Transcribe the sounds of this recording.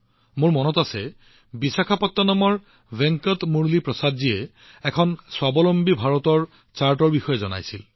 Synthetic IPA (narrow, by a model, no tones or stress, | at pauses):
mʊɹmɔnɔtasɛ | bisakʰapɔtːɔnɔmɔɹ | bɛŋkɔtmuɹlipɹɔsadzijɛ | ɛkʰɔnswabɔlɔmbibʱaɹɔtɔɹ | t͡ʃaɹtɔɹbixɔjɛzɔna̰jsil